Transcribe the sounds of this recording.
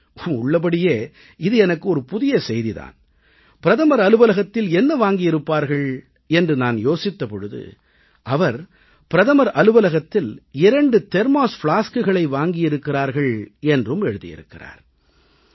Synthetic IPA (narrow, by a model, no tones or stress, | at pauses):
ʊʊɭːɐp̬ɐɽɪjeː | ɪðɯɛnɐkːɯɔɾɯpʊðɪjɐsɛjðiða̰ːn | pɪɾɐðɐmɐɾɐlɯʋɐlɐɣɐt̪ːɪlɛnːɐʋaːŋɡɪjɪɾɯpːaːɾɣɐɭ | ɛndrɯnaːnjoːsɪt̪ːɐpɔɻɯðɯ̰ | ʔɐʋɐɾ | pɪɾɐðɐmɐɾʔɐlɯʋɐlɐɣɐt̪ːɪlɪɾɐɳɖɯt̪ɛɾmaːsfɪɭaːskɯɣɐɭɐɪʋaːŋɡɪjɪɾɯkːɪraːɾɣɐɭɛndrɯmɛɻɯðɪ̰jɪ̰ɾɯ̰kːɪra̰ːɾ